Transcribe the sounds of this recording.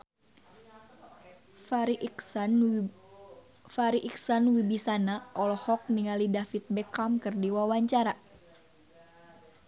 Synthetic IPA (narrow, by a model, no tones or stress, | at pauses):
faɾiʔiksanwibisanaɔlɔhɔk̚niŋalidafit̪̚bɛkamkɨrdiwawaɲt͡ʃaɾa